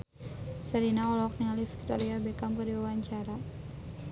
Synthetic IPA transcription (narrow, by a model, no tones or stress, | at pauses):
səɾinaɔlɔk̚niŋalifi̥k̚t̪ɔɾiabɛkamkərdiwawaɲt͡ʃaɾa